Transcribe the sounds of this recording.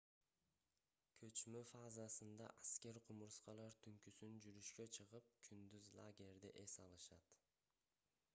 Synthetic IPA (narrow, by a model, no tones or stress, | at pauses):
kʰø̞t͡ʃmøfazasɯnd̪ɑ̰ʔaskʲe̞ɾqʰumuɾsqɑlˠɑɾt̪ʰyŋkysynd͡ʒyɾyʃkø̞t͡ʃʰɯʁɯp̚kʰynd̪yzlˠa̰ɡʲe̞ɾd̪ḭʔe̞sɑlˠɯʃɑt̪